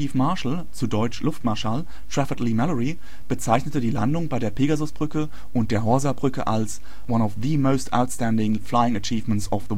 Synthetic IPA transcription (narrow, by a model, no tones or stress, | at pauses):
iːfmaɐʃl̩ | t͡sudɔʏt͡ʃlʊftmaɐʃaːl | tʁ̥afɪtlimɛlɔʁi | b̥ət͡saɪçnətədiːla̰ndʊŋbaɪɾeːɐpʰeːɡazʊsb̥ʁʏkə | ʔʊnt̚d̥eːɐɦɔɐzabʁʏkə̰ʔals | wanɔfðəmoʊstʰʔa̰ʊtstændɪŋflaɪɪŋət͡ʃiːvməntsɔfðə